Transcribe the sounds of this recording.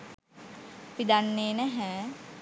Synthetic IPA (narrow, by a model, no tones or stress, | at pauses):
pid̪anːeːnɛɦɛː